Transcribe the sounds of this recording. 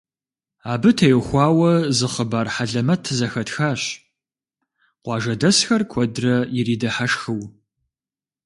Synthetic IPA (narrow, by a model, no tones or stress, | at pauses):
aːbɨtʰɐjɛxʷɑːwɐzɨχəbaːrħaɮɐmɐtʰzɐxɐtxaːɕ | qʷɑːʒɐdɐsxɐrkʷʰɔdrɐjɪriːdɐħaʂxɨw